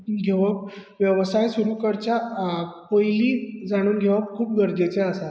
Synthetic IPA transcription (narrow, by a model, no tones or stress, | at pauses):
ɡʱeʋak̚ʋjəʋsajsuɾukəɾt͡ɕjapəjliːd͡zaɽ̃uːnɡʱeʋakkʰuːp̚ɡəɾd͡ʑet͡seəsa